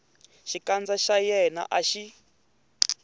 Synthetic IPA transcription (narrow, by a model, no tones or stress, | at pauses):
ʃikand͡zaʃajɛna̰ʔaʃi